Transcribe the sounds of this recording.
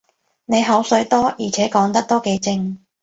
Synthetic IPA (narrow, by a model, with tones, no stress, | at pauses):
ne˨˧jɦɐ˨˥wsɵ˨˥t̪ɔː˥jiː˨˩t͡sʰɛː˨˥kɔː˨˥ŋt̪ɐ˥k̚t̪o˥wke˨˥jt͡sɪ˧ŋ